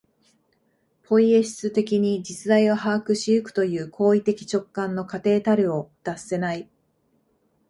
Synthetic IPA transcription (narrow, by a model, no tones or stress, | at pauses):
pʰo̞ie̞ɕi̥st͡sɨt̪e̞kʲiɲ̟id͡ʑit͡sɨd̪aiβaɦaːkɯ̟ɕiɯ̟kɯ̟̥t̪o̞jɯ̟ːkʰo̞ːit̪e̞kʲi̥t͡ɕo̞kːãnːo̞kat̪e̞ːt̪aɾɯ̟o̞d̪̥asːe̞nai